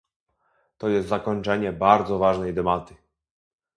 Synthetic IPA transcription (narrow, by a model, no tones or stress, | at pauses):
t̪ɔjɛst̪zakɔɲt͡ʂɛɲɛbaɾd̪zɔvaʐnɛjd̪ɛbat̪ɘ̥